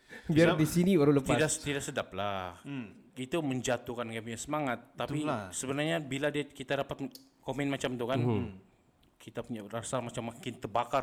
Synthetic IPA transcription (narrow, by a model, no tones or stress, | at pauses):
biaadisiniwaɾuləpt̪idat̪idaksədaplahit̪uməɲd͡ʒat̪ukankapuɲasəmaŋat̪ːap̪ilasəbənarɲabiladiakit̪adapat̪̚ | komɛnmat͡ʃamt̪ukan | kʰit̪apuɲarasalmat͡ʃamːakɪnt̪ərbakar